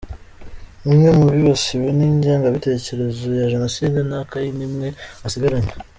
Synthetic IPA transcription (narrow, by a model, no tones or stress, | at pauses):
imŋemuβiβasiβeniɲɟaːŋɡaβite̞ːce̞ɾe̞zojaʒanosidenakajinimŋe̞asiɡaɾaɲḁ